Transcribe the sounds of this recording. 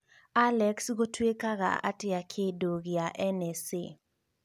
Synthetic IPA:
alɛksɡotwekaɣa̰a̰tɪakʰedoɡɪjaʔɛnɛse

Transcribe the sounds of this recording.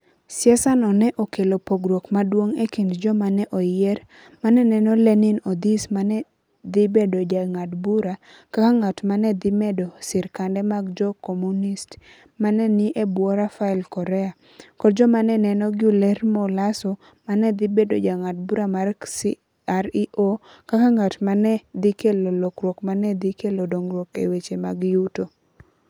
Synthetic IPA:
sjɛsanɔnɛʔokelopoɡɾokmadwoŋekindd͡ʒɔmanɛʔɔjjɛr | manɛnɛnɔlɛnɪnɔd̪ismanɛ | d̪ɪbedod͡ʒaŋadbuɾa | kakaŋatmanɛd̪ɪmɛdosɪɾkandɛmaɡd͡ʒɔkomunist | manɛnɪʔebwɔɾafaɪlkɔɾɛa | kɔdd͡ʒɔmanɛnɛnɔɡɪulɛrmolasɔ | manɛd̪ɪbedod͡ʒaŋad̚buɾamars | aɾiʔokakaŋatmanɛd̪ɪkelolokɾwɔkmanɛd̪ikelodoŋrwɔkḛwet͡ʃemaɡjuto

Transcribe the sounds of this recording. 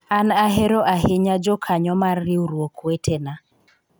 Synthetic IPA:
anaɦeɾoʔaɦɪɲad͡ʒɔkʰaɲɔmarːɪuɾwokʰwetʰena

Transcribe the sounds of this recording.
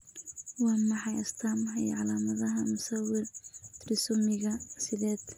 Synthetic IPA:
wɑːmɐħɑjɐst̪ʰamhɐjʕɑlaːmɐðɐɦɐmʊsɐwɪrrɪsʊmɪɣɐsɪðɛːd̪

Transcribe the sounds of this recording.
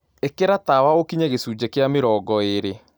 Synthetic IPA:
ekeɾatawaokiɲeɣesud͡ʑekeameɾɔɡɔeɾe

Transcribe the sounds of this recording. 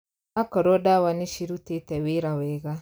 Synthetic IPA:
akɔɾwɔdawaneʃiɾutetɛweɾawɛːɣa

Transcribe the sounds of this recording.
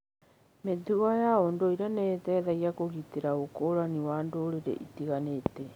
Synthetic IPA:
meðuajaondoiɾanɛtɛðaiakoɣiteɾaokoːɾaniwaːndoɾeɾḛʔitiɣaneːtɛ

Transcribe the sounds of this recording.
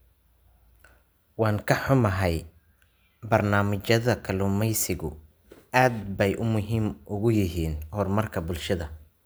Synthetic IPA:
wɑːŋkʰɐħʊmɐɦɛj | bɐrnaːmɪt͡ʃɐðɐkʰɐlʊmɛjsɪɣʊ | aːd̪bɛjʔʊmʊɦiːmʔʊɣʊjɪɦiːnhɔrmɐrkʰɐbʊlʃɐðɐ

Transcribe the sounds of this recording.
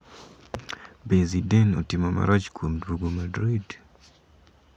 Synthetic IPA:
bezidɛnɔtɪmɔma̰ɾat͡ʃkwomdwoɡomadɾid

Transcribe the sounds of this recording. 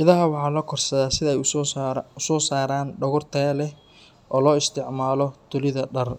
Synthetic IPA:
ʔɪðɐɦɐwɑħɑːlɐkʰɔrsɐðaːsɪðɐɛj | ʊsɔːsaːɾaːnɖɔɣʊrt̪ʰɛːlɛh | ʔɔːlɔːɪst̪ʰɪʕmaːlɔd̪̥ʊlɪðɐɖɐr

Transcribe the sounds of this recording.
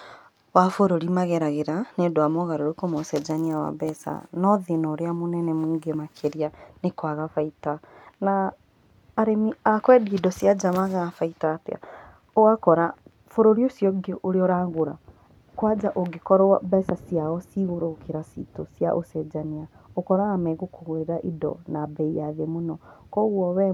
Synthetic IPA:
wafoɾoɾimaɣɛɾaɣeɾanedoamɔɣaɾoɾekomosɛd͡ʒaniawa̰βɛsa̰nɔðenɔːɾeamonɛnɛmuːŋɡemakʰeɾianekwaɣafaitanaː | ɾemiakwɛdidɔsjad͡ʒamaɣafaitatḛa̰ | oakɔɾa | foɾoɾiosjɔɡeʔoɾeɔɾaːɣoɾa | kwad͡ʒaʔoɡekɔɾɔabɛsasiaɔsiɣoɾokeɾasḭtosja̰ʔosɛd͡ʒaniaokɔɾaːmɛɣokoɣweeɾaʔidɔ̰nabɛijaðemonɔkɔɣwɔwɛ

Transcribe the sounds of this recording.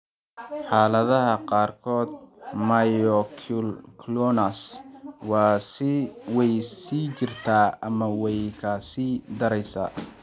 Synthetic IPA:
ħɑːlɐðɐɦɐqɑːrkʰɔːd̪̚majɔkʰʊlkʰlɔnɐswɑːsɪwɛjsiːt͡ʃɪrt̪ʰaːɐmɐwɛjkʰasiːd̪ɐɾɛjsa̰ː

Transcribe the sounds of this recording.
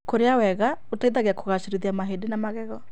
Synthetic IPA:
koɾeawɛɣaotaiðaɣeakoɣaʃeɾiðiamaɦedenamaɣɛɣɔ

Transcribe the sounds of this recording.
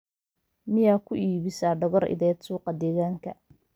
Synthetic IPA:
mɪjaːkʰʊʔiːβɪsaːɖɔɣɔrʔɪ̰ðɛːd̪suːqɑd̪ɛːɣaːŋkʰɐ

